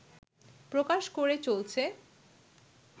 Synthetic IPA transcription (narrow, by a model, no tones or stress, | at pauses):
pɾokaʃkoɾet͡ɕolt͡ɕʰe